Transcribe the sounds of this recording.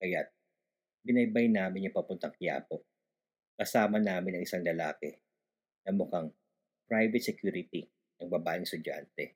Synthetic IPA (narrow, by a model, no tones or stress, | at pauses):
kɐjat̪̚ | bɪnɐjbɐjnaːmɪnɐŋpɐpʊnt̪ɐŋkɪja̰ːpo̞ʔ | kɐsaːmɐnaːmɪnɐŋʔɪsaŋlɐlaːkɛ | nɐmʊkaŋ | pɹajvɛt̪sɛkjuːɾɪt̪i | nɐŋbɐbaːʔɪŋst̪ʊd͡ʒa̰nt̪ɛ